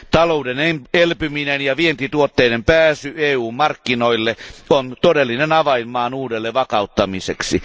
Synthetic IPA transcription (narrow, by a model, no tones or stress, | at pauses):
t̪ɑloudenemelpyminenjɑʋient̪it̪uot̪ːeidempæːsyeːuːmmɑrkːinoilːeont̪odelːinenɑʋɑimːɑːnuːdelːeʋɑkɑut̪ːɑmisḛksi